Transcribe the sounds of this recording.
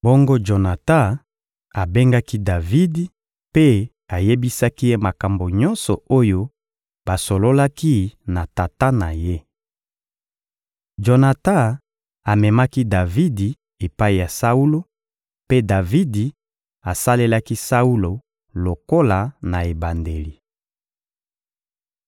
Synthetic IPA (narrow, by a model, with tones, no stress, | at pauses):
bo˦ŋɡo˦d͡ʒo˨na˨ta˦ | a˨be˦ŋɡa˦ki˦da˨vi˦di˨ | pe˦ | a˨je˦bi˦sa˦ki˦je˦ma˨ka˨mbo˨ɲɔ˦nsɔ˨o˦jo˦ | ba˨so˨lo˦la˦ki˦na˨ta˨ta˦na˨je˦ | d͡ʒo˨na˨ta˦ | a˨mɛ˨ma˦ki˦da˨vi˦di˨ | e˨pa˦i˨ja˨sa˦u˦lo˦ | pe˦da˨vi˦di˨ | a˨sa˦le˦la˦ki˦sa˦u˦lo˨ | lo˨ko˦la˨na˨e˨ba˨nde˨li˨